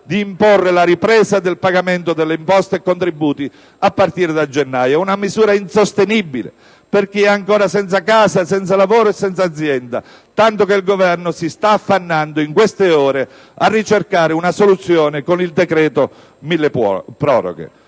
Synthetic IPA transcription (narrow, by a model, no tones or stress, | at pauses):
d̪iːmporːelaɾipɾɛːsad̪elpaɡament̪od̪elːeimpɔst̪eɛkːont̪ɾibːuːt̪i | apːart̪iːɾed̪ad͡ʒenːaːjaunamizuːɾainsost̪enibːilḛ | perk̟iɛaŋkoːɾasɛnt̪sakaːsasɛnt̪salavoːɾoɛsːɛnt̪saːd̪zːjɛnd̪a̰ | t̪ant̪okeilɡovɛrnʊsist̪aːfːanːand̪oiŋkwest̪eɔːɾe | arːit͡ʃerkaːɾɪunasolut̪sːjɔːnɪkonild̪ɛkɾɛːt̪o | milːeppɾɔ̰ːɾo̰ɡḛ